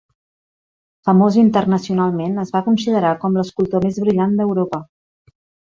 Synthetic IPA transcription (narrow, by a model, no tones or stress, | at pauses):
fəmozint̪ərnəsiunalˠmenəzβakunsið̞əɾakɔmləskulˠt̪omezβɾiʎand̪əwɾopə